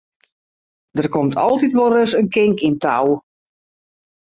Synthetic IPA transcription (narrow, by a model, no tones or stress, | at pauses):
d̥ərkɔmtʰɔ̰lˠtitʋolˠrøsənkɪŋkintaw